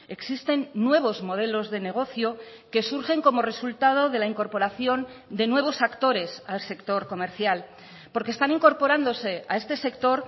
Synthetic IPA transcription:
e̞ksist̪e̞nːwe̞β̞o̞zmo̞ð̞e̞lo̞zðe̞ne̞ɣ̞o̞θjo̞ | ke̞suɾxe̞ŋko̞mo̞re̞sult̪að̞o̞ð̞e̞laiŋko̞ɾpo̞ɾaθjo̞nd̪e̞nwe̞β̞o̞sakt̪o̞ɾe̞salse̞kt̪o̞ɾko̞me̞ɾθjal | po̞ɾkest̪aniŋko̞ɾpo̞ɾand̪o̞se̞a̰e̞st̪e̞se̞kt̪o̞ɾ

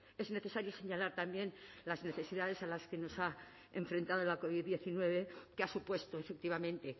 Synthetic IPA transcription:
e̞zne̞θe̞saɾjose̞ɲalaɾt̪ambje̞n | lazne̞θe̞siðað̞e̞salaske̞no̞sa | eɱfɾe̞nt̪aðolako̞β̞iððːje̞θinwe̞β̞e̞keasupwe̞st̪o̞efek̚t̪iβ̞amẽ̞nt̪e̞

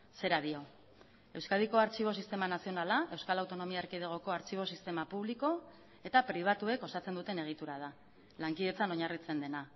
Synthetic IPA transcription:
se̞ɾaðio̞ | e̞wskaðiko̞aɾt͡ʃiβ̞o̞sist̪e̞manasio̞nalae̞wskalawt̪o̞no̞miaɾkið̞eɣ̞o̞ko̞aɾt͡ʃiβ̞o̞sist̪e̞mapuβ̞liko̞ | e̞t̪apɾiβ̞at̪ue̞ko̞sat͡se̞nd̪ut̪e̞ne̞ɣ̞it̪uɾað̞a | laŋkiðe̞t͡sano̞ɲarit͡se̞nd̪e̞na

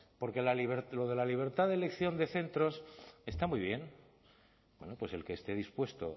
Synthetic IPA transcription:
po̞ɾke̞laliβeɾlo̞ð̞e̞laliβ̞e̞ɾt̪aðelekθjo̞nd̪e̞θe̞nt̪ɾo̞se̞st̪amujβ̞je̞n | bwe̞nopwe̞se̞lkeːst̪e̞ðispwe̞st̪o̞̰

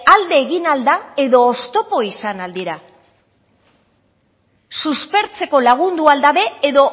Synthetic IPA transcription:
ald̪e̞ːɣinald̪ae̞ðo̞ːst̪o̞po̞isanald̪iɾa | suspe̞ɾt͡se̞ko̞laɣ̞und̪uald̪aβe̞eðo̞

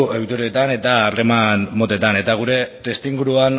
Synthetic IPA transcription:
ewt̪uɾiet̪ane̞t̪aːre̞manmo̞t̪e̞t̪ane̞t̪aɣ̞uɾe̞t̪e̞st̪iŋɡuɾuan

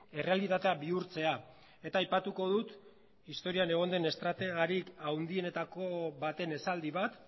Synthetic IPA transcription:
e̞re̞alit̪at̪e̞aβiuɾt͡se̞a | e̞t̪aːjpat̪uko̞ð̞ut̪ | ist̪o̞ɾiane̞ɣ̞o̞nd̪e̞ne̞st̪ɾat̪e̞ɣaɾikawnd̪ie̞ne̞t̪ako̞βat̪e̞ne̞sald̪iβat̪

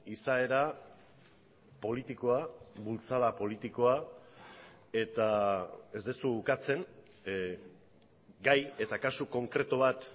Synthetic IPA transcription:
isae̞ɾa | po̞lit̪iko̞aβult͡salapo̞lit̪iko̞a | e̞t̪ae̞zd̪esuːkat͡se̞ŋ | ɡaje̞t̪akasuko̞ŋkɾe̞t̪oβat̪

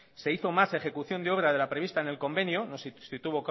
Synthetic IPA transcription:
se̞iθo̞mase̞xe̞kuθjo̞nd̪e̞o̞β̞ɾaðe̞lapɾe̞βist̪aene̞lko̞mbe̞njonossit̪uβo̞k

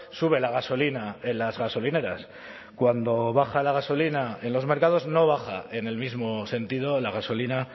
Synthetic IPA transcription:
suβ̞e̞laɣaso̞linae̞nlazɣaso̞line̞ɾas | kwand̪o̞βaxalaɣ̞aso̞linae̞nlo̞zmeɾkað̞o̞zno̞β̞axa̰e̞ne̞lmizmo̞sẽ̞nt̪ið̞o̞laɣ̞aso̞lina

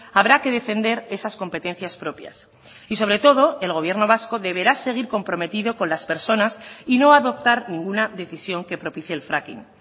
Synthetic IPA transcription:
aβɾake̞ðe̞fe̞nd̪e̞ɾe̞sasko̞mpet̪ẽ̞n̟θjaspɾo̞pja̰s | iso̞β̞ɾe̞t̪o̞ð̞o̞e̞lɣ̞o̞βje̞ɾno̞β̞asko̞ðe̞βe̞ɾase̞ɣ̞iɾko̞mpɾo̞me̞t̪iðo̞konlaspe̞ɾso̞nasino̞aðo̞pt̪aɾnĩŋɡunaðe̞θisjo̞ŋke̞pɾopiθje̞ːlfɾakḭn

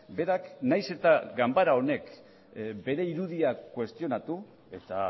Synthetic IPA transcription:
be̞ɾaknajse̞t̪aɡambaɾao̞ne̞k | be̞ɾe̞iɾuðiakwe̞st̪io̞nat̪u | e̞t̪a

